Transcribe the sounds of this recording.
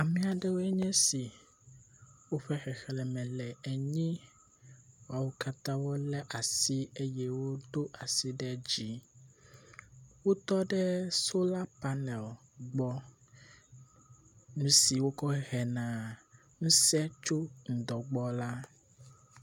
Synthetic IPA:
a˨mĩ˨a˨ɖɛ˦wo˦ɛ˦ɲɛ̃˦si˨ | wo˦ɸɛ˦xɛ˨xɛ˨lɛ˨mɛ̃˨lɛ˨ɛ˨ɲĩ˦ | wa˨wo˦ka˦t̪ã˦wo˦lɛ˦ʔa˨si˦e˦jɛ˦wo˦d̪o˦ʔa˨si˦ɖɛ˦d͡ʑi˦ | wo˦t̪ɔ˦ɖɛ˦so˦la˦pa˦nɛ˨l | ɡ͡bɔ˦ | nũ˨˦si˨wo˦kɔ˦ɦɛ˨nã˨ | ŋũ˦sɛ˦t͡ʃo˦ŋ̩̃˨d̪ɔ˨ɡ͡bɔ˦la˦

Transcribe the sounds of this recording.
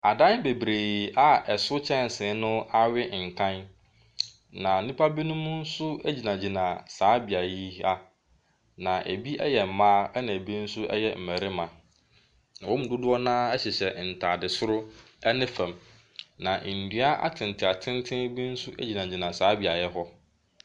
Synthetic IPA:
a˨dã˦n˦be˨bɾeː˨a˦ɛ˨sʊ˦t͡ɕʰɛ̃˦n˨sɪ̃˨˦nʊ̃˦a˦ɥɪ˦ŋ̩˨kʰã˦n | nã˨˦nĩ˦pʰa˦bi˦nʊ̃˦mʊ̃˦n̩˦sʊ˦æ˦d͡ʑi˨nã˨d͡ʑi˨nã˨saː˨˦bi˨a˨ji˦a˦ | nã˨ʔæ̰˨bi˦ʔɛ̰˦jɛ˨m̩˨mãː˦nã˨e˨bi˦n̩˦sʊ˦ʔɛ̰˦jɛ˦m̩˨mæ˨ɾɪ˦mã˨ | ã˨wɔ˦m̩̃˨dʊ˦dʊ˦ɔ˦nãː˦ɛ˦ɕɛ˨ɕɛ˨n̩˨tʰaː˨dɪ˨sʊ˦ɾʊ˦ | ɛ˦nɪ̃˦fæ̃˨m | nã˨ʔn̩˨dɥa˦ʔa̰˦tʰɪ̃˨n˨tʰɪ˨a˨tʰɪ̃˦n˦tʰɪ̃˦bi˦n̩˦sʊ˦ʔæ̰˦d͡ʑi˨nã˨d͡ʑi˨nã˨saː˨˦bi˨a˨jɛ˦ɦɔ˦

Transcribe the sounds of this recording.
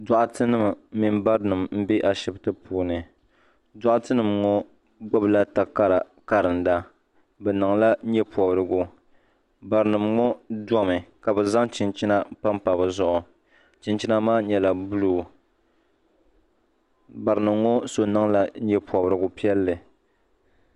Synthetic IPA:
dɔ˨ʔʊ˨tɨ˦nɨ˦m˨˦mi˨mba˦ɾnɨ˨mm̩˦bi˦ʔa˨ʃi˨btɨ˦pʰuː˦nɨ˨ | dɔ˦ʔʊ˦tɨ˦nɨ˨mŋɔ˦ | ɡ͡bɔ˦bla˦ta˨ka˦ɾa˨ | ka˦ɾɨ˨n̩˨da˦ | bɛ˨nɨ˨ŋla˦ɲɛ˦pɔ˨bɾɨ˨ɡʊ˨ | ba˨ɾɨ˨nɨ˨mŋɔ˦dɔ˦mɨ˨ka˨bɛ˨za˦ŋt͡ʃɪ˨nt͡ʃi˦na˦pa˦mpa˨bɨ˨zʊ˦ʔʊ˨ | t͡ʃɪ˨nt͡ʃi˦na˦maː˦ɲɛ˨la˨bu˦luː˨ | ba˨ɾɨ˨nɨ˨mŋɔ˦so˨nɨ˦ŋla˦ɲɛ˦pɔ˨bɾɨ˨ɡʊ˨pi˦ɛ˦lːɨ˨

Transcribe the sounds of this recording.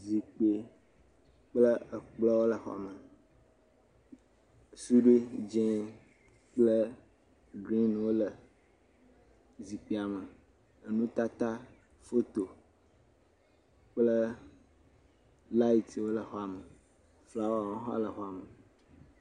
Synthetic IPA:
zi˨k͡pe˨ | k͡plə˦ə˨k͡plɔ˦wo˦lə˨xɔ̰˦a̰˨mə˨ | su˦ɖe˦d͡ʒɛ̃˦ | k͡plə˦ | ɖɾi˦n˨wo˦lə˨ | zi˨k͡pe˨a˨mə˨ | ə˨nũ˦t̪a˦t̪a˦ | fo˦t̪o˨ | k͡plə˦ | la˦i˦˨t̪wo˦lə˨xɔ˦a˨mə˨ | fla˦wo˦a˨wɔ̃˦ɦɔ̰˦lə˨xɔ˦a˨mə˨

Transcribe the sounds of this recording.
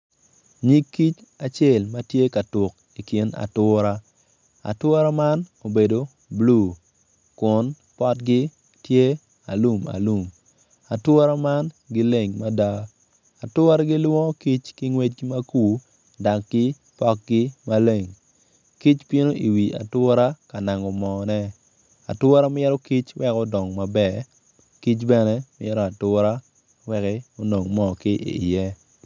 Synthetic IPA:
ɲi˦kːi˦t͡ʃa˨t͡ʃɛ˦˨lma˦tje˦ka˨tʊ˨k | i˨ki˨na̰˨tʊ˦ɾa˦ | a̰˨twɔ˦ɾa˦ma˦no˨be˨do˨ | blu˦˨ | kʊ˨n | pɔ˦tɡɪ˦ | tje˦ | a̰˨lu˨ma̰˨lu˦˨m | a˨twʊ˦ɾa˦ma˦n | ɡɪ˦le˨ŋma˦da˦ | a˨tʊ˦ɾa˦ɡɪ˦lwɔ̃˦ki˦t͡ʃkɪ˦ŋwe˦t͡ʃma˦ku˦ | da˨kɡɪ˦ | pɔ˦k̚ɡɪ˦ma˦le˨ŋ | ki˦t͡ʃpjɪ˦no˦ʔi˨wi˨ʔa̰˨twʊ˦ɾa˦ka˨na˨ŋɔ˨mɔ˨nɛ˦ | a̰˨twɔ˦ɾa˦mɛ˦ɾɔ˦ki˦t͡ʃwɛ˦kɔ˦dɔ˨ŋma˨bɛ˨ | ki˦t͡ʃbɛ˦nɛ˦mɪɛ˦ɾɔ˦a˨tʊ˦ɾa˦ | wɛ˦kɛ˦o˦no˨ŋmɔ˦˨kɪ˦ʔḭ˨jɛ˦

